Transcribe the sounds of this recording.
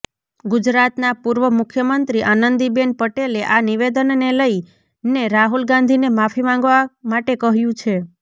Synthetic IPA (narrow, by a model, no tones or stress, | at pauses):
ɡʊd͡ʒɾat̪napuɾʋəmʊkʰjəmənt̪ɾiʔanənd̪ibenpəʈeleʔaniʋed̪ənːeləi | neɾaɦulɡãnd̪ʱinemafʰimãŋɡʋamaʈekəɦjũt͡ʃʰe